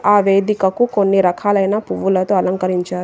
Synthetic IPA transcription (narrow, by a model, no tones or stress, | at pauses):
aːʋeːd̪ikɐkukonːiɾɐkʰaːlɐjnaːpuʋːulɐt̪o̞ːɐlɐŋkɐɾiɲt͡ʃaːɾu